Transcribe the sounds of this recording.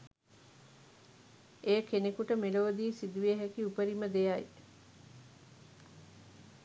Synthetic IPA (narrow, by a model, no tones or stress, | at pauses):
ejəkenekuʈəmeloːd̪iːsid̪uʋieɦækiupəɾiməd̪ejai